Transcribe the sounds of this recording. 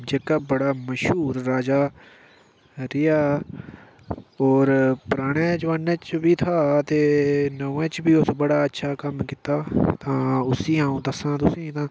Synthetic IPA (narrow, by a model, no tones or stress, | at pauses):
d͡ʒekaːbəɽaːməʃɦuːɾːaːd͡ʒaː | ɾɪjaː | ɔːɾpɾaːɽ̃ɛ̃ːd͡ʒəʋaːnɛ̃ːt͡ʃbiːt̪ʰaːt̪eːnəʋẽːt͡ʃbiːʊsbəɽaːətːʃʰaːkəmkɪt̪aːt̪ãːʊsĩːãːũːd̪əsãːt̪̬ʊsĩːt̪ãː